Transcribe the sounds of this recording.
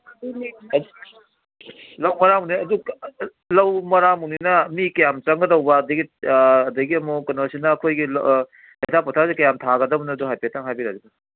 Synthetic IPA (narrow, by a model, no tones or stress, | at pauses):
lɐwmɐɾamɦuniɐdu | lɐwmɐɾamuninɐmikɐjamt͡ʃɐŋɡɐdɐwbɐːdɐɡiːdɐɡiɐmɔkɐnosinɐːkʰojɡil | ejtʰapɔtʰasikɐjamtʰaɡɐdɐbnɐːduɦajpetʰaŋɦajbiɾadibɐ